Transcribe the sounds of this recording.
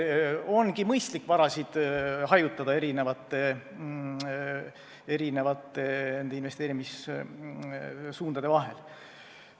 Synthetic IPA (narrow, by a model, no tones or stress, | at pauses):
o̞nɡ̥imɤjst̪likːˑvɑɾɑsid̪̥ɦɑjut̪ːˑɑd̪̥ɑe̞ɾinevɑt̪ːe̞ | e̞ɾine̞vɑt̪ːˑene̞nd̪e̞invest̪eːɾimis | suːnd̪̥ɑd̪̥e̞vɑɦe̞̰l